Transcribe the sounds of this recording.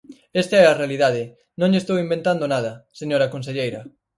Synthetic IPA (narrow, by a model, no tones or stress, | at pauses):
est̪ɐɛɐrealiðaðɪ | nõŋʎest̪owimbẽnt̪and̪onað̞ɐseɲoɾɐkons̬eʎejɾɐ